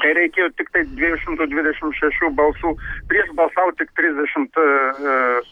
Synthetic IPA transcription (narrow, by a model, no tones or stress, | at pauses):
kɐɪɾɐɪkʲeːjoːt̪ʲɪkt̪ɐɪd̪ʲʋʲiɛjoʃʲɪmt̪uːd̪ʲʋʲɪd̪ʲɛʃʲɪmʃʲɛʃʲuːbɐlˠsuːpʲɾʲiɛʃbɐlˠsɑːʊt̪ʲɪkt̪ʲɾʲɪzʲd̪ʲɛʃʲɪmt̪